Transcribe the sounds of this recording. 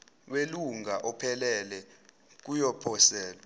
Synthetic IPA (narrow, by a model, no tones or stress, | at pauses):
weluŋʱaʔɔpʰɛlɛlɛ | k̬ujɔpʰɔsɛːlɔ